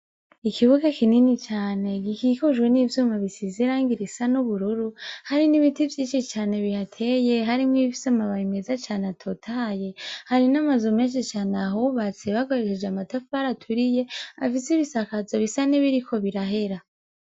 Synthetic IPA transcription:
ikʰiβuɡakininit͡ʃaːne̞ɡikikoʒwe̞niːvjuːmaβisiziɾaːŋɡiɾisanuβuɾuɾuhaɾiniβitivjiːt͡ʃit͡ʃaːne̞βihatʰe̞je̞ɦaɾimŋifi̥samaβaimezat͡ʃaːneatʰotʰaje̞haɾinamazome̞ːnʃit͡ʃaːneaɦuβat͡seβako̞ɾeʃed͡ʒeamatafaɾatʰuɾije̞a̰fisiβisakazoβisaneβiɾikʰo̞βiɾaɦe̞ɾa

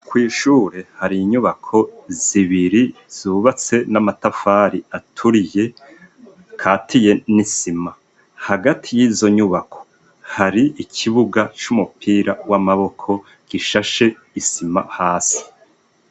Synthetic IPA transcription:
kwiːʃuːɾe̞haɾiːɲuβakʰo̞z̥iβiɾi | z̥uβat͡se̞namatafaːɾiatʰuɾije̞ | kʰaːtʰije̞nisima | haɡatʰijiːzo̞ɲuβakʰo̞̥ | haɾiikʰiβuɡat͡ʃumupʰiːɾawamaβo̞kʰo̞ | ɡ̥iʃaʃe̞ | isimahaːsi̥

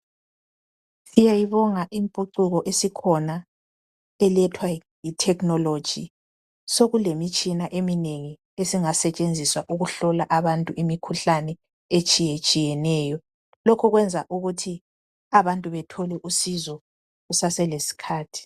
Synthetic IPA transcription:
sijajiβɔŋaʔimpʼuǀuɣɔʔesikʰɔna | ɛlɛtʰwa | jitʰɛknɔlo̥ʒ̥ʱi | soɣulemit͡ʃʼinaʔemineŋi | esiŋasɛt͡ʃʼend͡zʱiswaʔuɣuɬɔlaʔaβantʼuʔimikʰuɬanɛ | et͡ʃʼijɛt͡ʃʼijɛnɛːjɔ | lɔkʰɔɣwɛnd͡zʱaʔuɣutʰi | aβantʼuβɛtʰɔlɛʔusizɔ | ɣusasɛlesi̥kʰaːtʰi̥

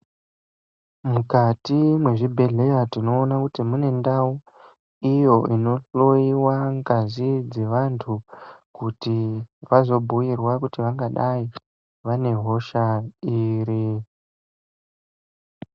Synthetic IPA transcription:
mukatimwe̞ʐibʱe̞ɮe̞jatino̞ːnakutimune̞ndau | ijo̞ino̞ɬo̞iwaŋɡazid͡ze̞ʋantʰukutiʋazo̞bʱuirwakutiʋaŋɡaɗai | ʋane̞ɦo̞ʃaiːɾi

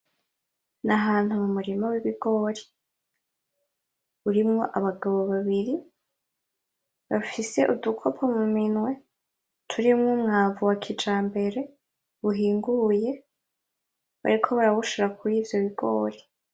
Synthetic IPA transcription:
naɦaːn̥humumuɾimawiβiɡo̞ːɾi | uɾimŋo̞ʔaβaɡaβo̞βaβiɾi | βafise̞ʔudukʰo̞pʰomuminŋwe̞ | tʰuɾimŋuːmŋaːvuwakʰid͡ʒaːmbe̞ɾe̞ | βuɦiːŋɡuje̞ | βa̰ɾikʰo̞βaɾaβuʃoɾakʰuɾiːvjoβiɡo̞ːɾe

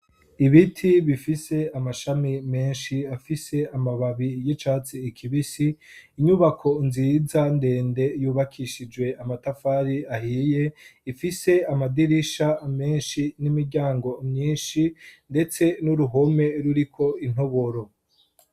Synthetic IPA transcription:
iβitʰiβifise̞amaʃamime̞ːnʃiafise̞amaβaβijit͡ʃaːt͡siːkʰiβisiː | ɲuβakʰo̞nziːzande̞ːnde̞juːβakʰiʃid͡ʒwe̞amatafaːɾiahiːje̞ifise̞amadiɾiʃame̞ːnʃinimiɾɟaːŋɡo̞mɲiːnʃinde̞t͡se̞nuɾuɦo̞me̞ɾuɾikʰo̞in̥ho̞βo̞ɾo̞

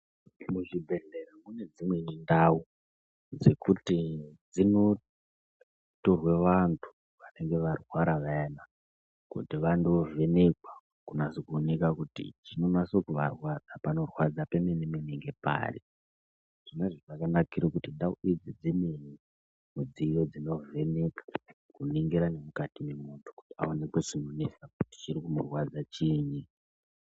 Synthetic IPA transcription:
muʐibʱe̞ɮeɾamune̞d͡zimwe̞nindau | d͡ze̞kutid͡zino̞ | to̞rwe̞ʋantʰu̥ | ʋane̞ŋɡe̞ʋarwaɾaʋaena | kṵtiʋandovenekwa | kunasokuonekakutḭt͡ʃino̞nasokuʋa̰rwad͡zapano̞rwad͡zapemenemeneŋɡe̞pa̰rḭ | ʐ̥ineʐiʐakanakiɾokutindauid͡zid͡zimeni | mud͡zijo̞d͡zino̞ve̞ne̞kḁ | kuniŋɡiɾane̞mukatime̞muntʰu̥ku̥tia̰one̞kwet͡ʃino̞nesakuti̥t͡ʃiɾikumurwad͡zat͡ʃini

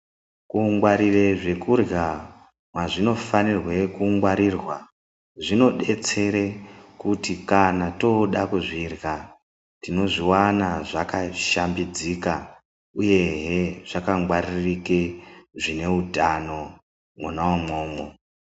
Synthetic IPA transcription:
kuŋɡwaɾireʐe̞kurɣa | mwaʐino̞fanirwe̞kuŋɡwaɾirwa | ʐino̞ɗe̞t͡se̞ɾekutikanato̞ɗakuʐirɣa | tino̞ʐiwanaʐakaʃambid͡zika | uje̞ɦeʐ̥akaŋɡwaririkeʐine̞utano̞ | munawamo̞ːmo

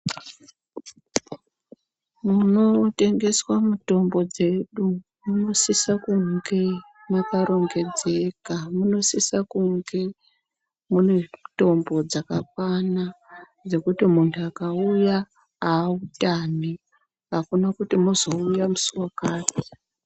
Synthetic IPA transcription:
muno̞te̞ŋɡe̞swamuto̞mbo̞d͡ze̞ɗu | muno̞sisakuŋɡe̞ | makaɾo̞ŋɡe̞d͡ze̞kamuno̞sisakuŋɡe̞ | muneto̞mbo̞d͡zakak̚wana | d͡ze̞kutimuntʰuakauja | aːutami | ɦakunakutimuzo̞ujamusuwakaːti̥

